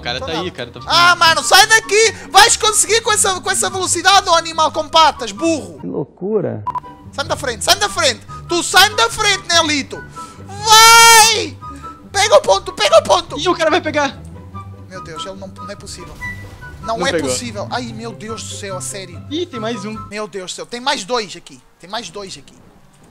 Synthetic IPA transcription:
ka̰ɾɐt̪aikaɾɐt̪aamɐnusajd̪ɐkivajʃkõsɨɣiɾkõɛsɐkõɛsɐvɨlˠusiðaðuɐnimalˠkõpat̪ɐʒbuʁulˠo̰kuɾɐ̰ | sajnd̪ɐfɾẽnt̪sajnd̪ɐfɾẽnt̪ɨ̥t̪usajnd̪ɐfɾẽnt̪nɛ̃lˠit̪uvaj | pɛɣɐupõnt̪u̥pɛɣɐupõnt̪uiukaɾɐvajpeɣaɾ | mewd̪ewʃelˠnɐ̃w̃nɐ̃w̃ɛpusivɛlˠnɐ̃w̃ɛpussivɛlˠajmewd̪ewʒðusewɐsɛɾjuit̪ẽj̃majzũmewd̪ewʒusewt̪ẽj̃majʒd̪ojʃɐkit̪ẽj̃majʒd̪ojzɐki̥

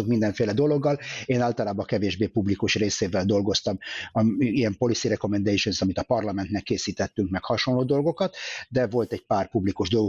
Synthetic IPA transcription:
okmind̪ɛɱfeːlɛd̪o̞lo̞ɡːɒleːnaːlt̪ɒlaːbɒkɛveːʒbeːpublikuʃreːseːvɛld̪o̞lɡo̞st̪ɒmɒijɛmpo̞lisiɾɛko̞mɛnd̪ɛjʃonsɒmit̪ɒpɒrlɒmɛnt̪nɛkːeːsiːt̪ɛt̪ːyŋkmɛkhɒʃo̞nloːd̪o̞lɡo̞kɒt̪d̪ɛvo̞lt̪ɛɟ̚paːrpublikuʒd̪o̞lɡ

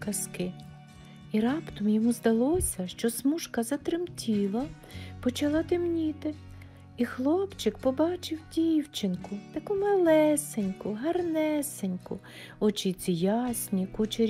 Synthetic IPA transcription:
kɐskɪ | iɾɑpt̪ɔmjɔmuzd̪ɐlˠɔsʲɐʃt͡ʃɔsmuʃkɐzɐt̪ɾɪmtʲilˠɐ | pɔt͡ʃɐlˠɑt̪ɪmnʲit̪ɪ | ixlˠɔpt͡ʃɪkpɔbɑt͡ʃɪwdʲiwt͡ʃɪnkʊt̪ɐkumɐlˠɛsenʲkʊɦɐrnɛsenʲkʊ̰ | ɔt͡ʃij̪t͡s̪ʲijɑsʲnʲikut͡ʃeɾʲ

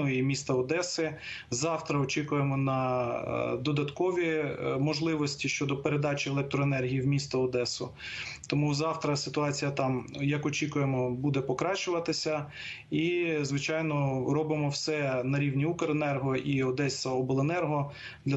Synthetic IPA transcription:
ʊimʲist̪ɐɔd̪ɛsɪzɑwt̪ɾɐɔt͡ʃikʊjemɔnɐ | d̪ɔd̪ɐt̪kɔʋʲimɔʒlˠɪʋɔsʲtʲiʃt͡ʃɔd̪ɔpeɾed̪ɑt͡ʃʲelˠɛk̚t̪ɾɔenɛrɦʲijiwmʲist̪ɐɔd̪ɛsʊ | t̪ɔmuzɑwt̪ɾɐsɪt̪ʊɑt͡sʲijɐt̪ɑmjɐkɔt͡ʃʲikʊjemɔbud̪ɛpɔkɾɑt͡ʃʊʋɐt̪ɪsʲɐ | izʋɪt͡ʃɑjnɔɾɔbɪmɔwsɛnɐɾʲiwnʲiukeɾenɛrɦɔʔiɔd̪ɛsʲɐɔbelˠenɛrɦɔ | d̪lʲɐ

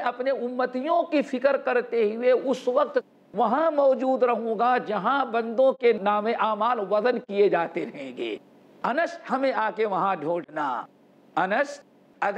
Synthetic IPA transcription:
ʔɐpneʊmːət̪ijõkifʰɪkəɾkɐɾt̪eɦʊeʊsʋɐk̚t̪ | ʋɐɦãmɔːd͡ʒuːd̪ɾɐɦũːɡad͡ʒɐɦãbɐ̃nd̪õkenaːmẽʔaːmaːlʋɐzənkijed͡ʒaːt̪eɾɐɦẽːɡḛː | ɐnəʃhɐmẽaːkeʋɐɦãɖʱoːɽna̰ː | ɐnəʃ | ɐɡ

